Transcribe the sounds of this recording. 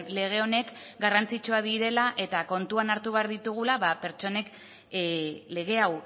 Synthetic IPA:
le̞ɣ̞e̞o̞ne̞kɡarant͡sit͡ʃuaðiɾe̞laʔe̞t̪ako̞nt̪uanaɾt̪uβe̞aɾðit̪uɣ̞ulaβape̞ɾt͡ʃo̞ne̞k | le̞ɣ̞e̞aw

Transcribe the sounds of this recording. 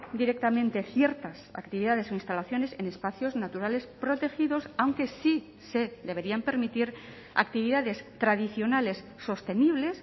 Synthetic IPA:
d̪iɾe̞k̚t̪amẽnt̪e̞θje̞ɾt̪asa̰kt̪iβiðaðe̞so̞inst̪alaθjo̞ne̞se̞ne̞spaθjo̞znat̪uɾale̞spɾo̞t̪e̞xiðo̞sawŋke̞si | sed̪e̞βe̞ɾiampe̞ɾmit̪iɾ | a̰kt̪iβiðaðe̞st̪ɾaðiθjo̞nale̞sːo̞st̪e̞niβ̞le̞s

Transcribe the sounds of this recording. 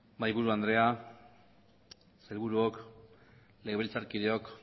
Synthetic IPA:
bajβuɾuand̪ɾe̞a | selβuɾuok | le̞ɣeβilt͡saɾkiðeo̞k

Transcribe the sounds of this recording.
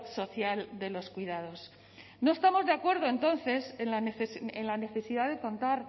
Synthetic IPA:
so̞θjald̪e̞lo̞skwiðað̞o̞s | noest̪amo̞zðeakwe̞ɾð̞o̞e̞nt̪o̞n̟θe̞seaenlane̞θe̞siðaðe̞ko̞nt̪aɾ

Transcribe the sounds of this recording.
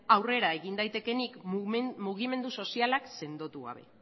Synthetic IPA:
awre̞ɾae̞ɣind̪ajt̪e̞ke̞nikmuɣ̞ime̞nd̪uso̞sialakse̞nd̪o̞t̪uɣa̰β̞e̞̰

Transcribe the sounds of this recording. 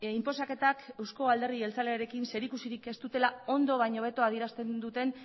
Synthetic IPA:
impo̞sake̞t̪akewsko̞ald̪e̞ɾie̞lt͡sale̞aɾe̞kinse̞ɾikusiɾike̞st̪ut̪e̞lao̞nd̪o̞β̞ajɲo̞β̞e̞t̪o̞að̞ie̞ɾast̪e̞nd̪ut̪e̞n

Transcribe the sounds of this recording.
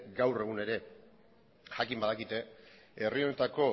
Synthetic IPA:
ɡawre̞ɣ̞une̞ɾe̞ | ʝakimbaðakit̪e̞ | erio̞ne̞t̪ako̞

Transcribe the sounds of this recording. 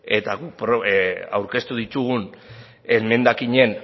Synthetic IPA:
et̪aɣupɾoa̰wɾke̞st̪uðit̪uɣun | eme̞nd̪akiɲe̞n

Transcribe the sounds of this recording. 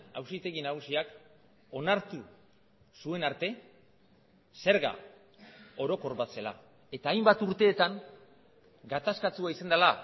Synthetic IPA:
awsit̪e̞ɣinaɣusiak | o̞naɾt̪u | sue̞naɾt̪e̞ | se̞ɾɣa̰ | o̞ɾo̞ko̞ɾβase̞la̰ | e̞t̪aːjmbat̪uɾt̪e̞ːt̪aŋ | ɡat̪askat͡s̪uaisand̪ala

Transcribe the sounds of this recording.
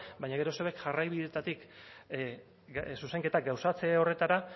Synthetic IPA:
bajɲaɣ̞e̞ɾo̞seβe̞kʝarajβiðe̞t̪at̪ik | suse̞ŋke̞t̪aɡawsat͡se̞o̞re̞t̪aɾa

